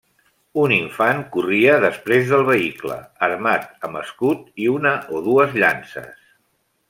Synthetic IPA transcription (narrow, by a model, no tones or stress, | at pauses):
uniɱfaŋkuriəðəspɾezðəlˠβ̞əiklə̰əɾmat̪̚əməskut̪̚iunəʔoðuəzʎansə̰s